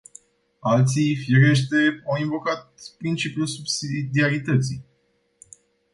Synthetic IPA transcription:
alt̪sijfiɾeʃ̬t̪eawiɱvo̞kat̪̚pɾint͡ʃipjulsubsid̪iaɾit̪ət̪sij

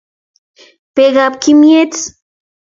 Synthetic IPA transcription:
peɡapkimjet͡s

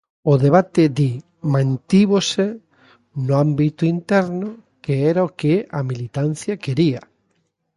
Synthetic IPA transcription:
oðeβ̞at̪eði | mãnt̪iβose | nʊambit̪ʊint̪ɛɾno | keeɾaokeamilit̪an̟θjakeɾia

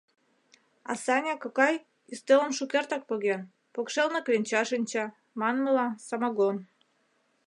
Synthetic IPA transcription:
ɑ̰sɑnʲɑkɤ̆kɑj | ist̪elə̆mʃukert̪ɑk̚pɤɣen | pokʃelneklenʲt͡ɕɑʃinʲt͡ɕɑ | mɑnməlɑsɑmɑɣon

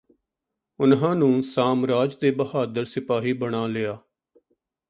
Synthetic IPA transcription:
ʊnɦãːnũːsaːmɾaːd͡ʒd̪eːbəɦaːd̪əɾsɪpaːɦiːbəɽaːlɪaː

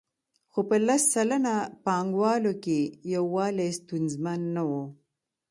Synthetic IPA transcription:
xopəlasːalanapɑŋɡwɑlokejawːɑːlest̪unzmanːawo

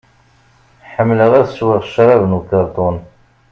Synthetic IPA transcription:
ħəmːləʁæθʃwɪʁʃɾˤɑvnukɑɾˤt̪ˤʊn

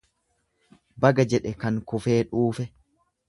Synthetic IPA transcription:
bɐɡɐd͡ʒɛᶑɛkɐŋkʊfe̞ːᶑuːfɛ

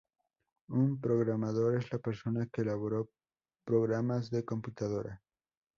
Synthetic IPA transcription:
umpɾo̞ɣɾamaðo̞ɾezlapeɾso̞nakeːlaβo̞ɾo | pɾo̞ɣɾamazðe̞ko̞mput̪að̞o̞ɾa

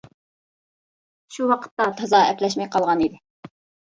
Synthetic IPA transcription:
ʃuwɑqʰə̥t̪ːɑt̪ʰɑzɑɛplɛʃmɛjqʰɑlˠʁɑnid̪ɪ

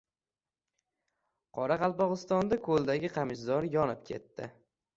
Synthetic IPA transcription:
qʰɒɾaqɑlˠpɒʁɨst̪ɒnd̪akʰolˠd̪aɡʲɪqʰamɪʃzɒɾjɒnɪp̚kʲʰe̞̰t̪ːɪ̰

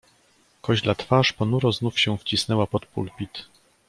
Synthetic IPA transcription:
kɔʑlat̪faʂpɔnuɾɔznufɕɛ̃ft͡ɕisnɛwapɔt̪pṵlpʲit̪

